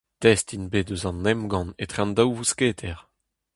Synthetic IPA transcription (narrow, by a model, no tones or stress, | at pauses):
t̪ɛst̪inbedøzɑ̃nːɛmɡɑ̃net̪χɛ̃nd̪awvuskeːt̪ʰɛʁ